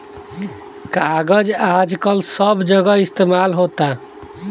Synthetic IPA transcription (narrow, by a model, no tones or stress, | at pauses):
kaɡəd͡ʒad͡ʒkəlsəbd͡ʒəɡəist̪emalɦot̪a